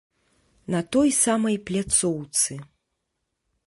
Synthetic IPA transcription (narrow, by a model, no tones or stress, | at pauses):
nɐt̪ɔjsamɐjplʲat̪sɔwt̪sɨ